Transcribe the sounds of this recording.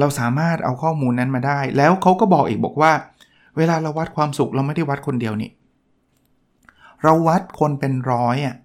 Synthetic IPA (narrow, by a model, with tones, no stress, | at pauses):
ɾa˧wsaː˩˦maː˥˩t̪̚ʔa̰˧wkʰɔː˥˩muː˧nːa˦˥nmaː˧daː˥˩jlɛː˦˥wkʰa˦˥wkɔː˥˩bɔː˨˩k̚ʔiː˨˩k̚bɔː˨˩k̚waː˥˩ | weː˧laː˧ɾa˧wːt̪̚kʰwaː˧msu˨˩k̚ɾa˧wma˥˩jda˥˩wa˦˥t̪̚kʰo˧ndi˧əwnḭ˦˩ | ɾa˧wːa˦˥t̪̚kʰo˧npe˧nɾɔː˦˥jʔa˨˩